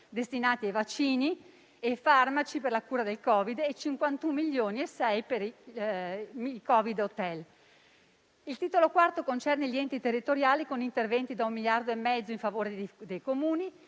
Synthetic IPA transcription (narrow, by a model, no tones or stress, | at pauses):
d̪est̪inaːt̪iajvat͡ʃːiːni | efarmat͡ʃiperlakuːɾad̪elkɔːvid̪et͡ʃiŋkwant̪umːiʎːoːniesɛjpeɾi | mikɔvid̪ot̪ɛl | ilt̪iːt̪olokwart̪okont͡ʃɛrneliɛnt̪it̪erːit̪oɾjaːlikonint̪ervɛnt̪id̪aumːiljard̪oemːɛd̪zːoiɱfavoːɾed̪ejkomuːni